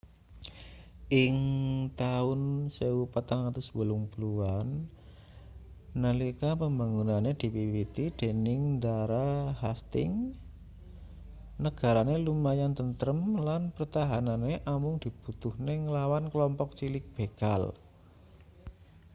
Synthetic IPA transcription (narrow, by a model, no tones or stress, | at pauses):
ʔɪŋt̪aʊnsewupat̪aŋat̪ʊsbəlʊŋpluan | əlikapəmbaŋunaned̪̥i̤wiwit̪id̪̥e̤nɪŋnd̪aɾahast̪ɪ̰ŋ | nəɡ̥a̤ɾanelumajant̪ənt̪əɾəmlanpərt̪aɦananeʔamʊŋd̪̥i̤b̥ut̪uhneŋəlawankəlɔmpɔk̚t͡ʃilɪk̚b̥e̤ɡ̥a̰l